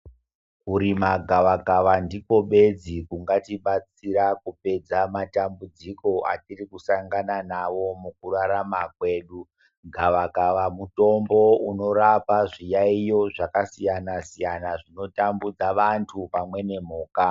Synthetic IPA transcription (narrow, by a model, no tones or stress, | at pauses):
kuɾimaɡʱaʋaɡaʋandiko̞ɓe̞d͡zikuŋɡatiɓat͡siɾakupe̞d͡zamatambud͡ziko̞ʔa̰tirikusaŋɡananaʋo̞muk̚uraɾamakwe̞ːɗu | ɡʱaʋakaʋamuto̞mbo̞uno̞ɾapaʐijaijo̞ʐakasijanasijanaʐino̞tambud͡zaʋantʰupamwe̞ne̞m̤uːka